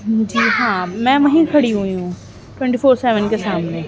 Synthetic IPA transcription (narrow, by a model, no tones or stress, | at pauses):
d͡ʑiːɦãːmɛ̃ːʋɐ̃ɦĩkʰɐɽiɦuijũ | ʈwɛ̃ɳʈifoːɾseːʋənkesaːmne